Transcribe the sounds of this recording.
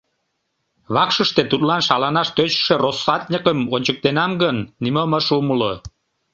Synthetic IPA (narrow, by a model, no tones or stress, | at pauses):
βɑkʃəʃt̪et̪ut̪lɑnʃɑlɑnɑʃt̪øt͡ɕʃerosːɑt̪̚ʲnʲəkəmonʲt͡ɕək̚t̪enɑmɡənːiməməʃuməlo